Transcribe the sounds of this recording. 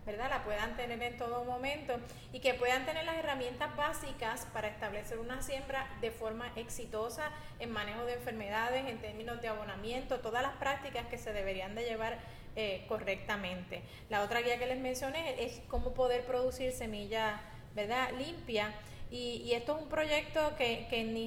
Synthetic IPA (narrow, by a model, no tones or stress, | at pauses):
be̞ɾðalapwe̞ðant̪e̞ne̞ɾe̞nt̪o̞ðomõ̞mẽ̞nt̪o̞ | ike̞pwe̞ðant̪e̞ne̞ɾlase̞ramjẽ̞nt̪azβasikaspaɾae̞st̪aβle̞se̞ɾunasje̞mbɾaðe̞fo̞ɾmaʔe̞ksit̪o̞sa | eŋmãne̞ho̞ðeeɱfe̞ɾme̞ðað̞e̞se̞nt̪e̞ɾmĩno̞zd̪eaβonamjẽ̞nt̪o̞t̪o̞ðaslaspɾak̚t̪ikaske̞se̞ðe̞βe̞ɾiand̪e̞ʝe̞β̞aɾ | eko̞re̞k̚t̪amẽ̞nt̪e̞ | lao̞t̪ɾaɣiake̞le̞smẽ̞nsjo̞neʔesko̞mo̞po̞ðe̞ɾpɾo̞ðusiɾse̞miʝa | be̞ɾðalimpja | iːe̞st̪oesumpɾo̞ʝe̞k̚t̪o̞kekeni